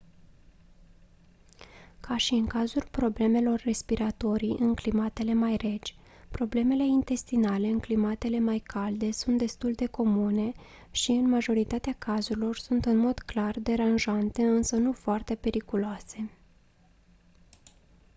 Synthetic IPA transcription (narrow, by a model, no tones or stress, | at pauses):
kʰaʃiɨŋkazulpɾo̞ble̞me̞lo̞rːe̞spiɾat̪o̞ɾiʔɨŋklimat̪e̞le̞majre̞d͡ʒʲ | pɾo̞ble̞me̞le̞int̪e̞st̪inale̞ɨŋklimat̪e̞le̞majkʰald̪e̞sunt̪̚d̪e̞st̪uld̪e̞ko̞mune̞ | ʃiɨnmaʒo̞ɾit̪at̪eakazuɾilo̞rsunt̪ɨnmo̞d̪klard̪e̞ɾanʒant̪e̞ɨnsənufoart̪e̞pe̞ɾikuloase̞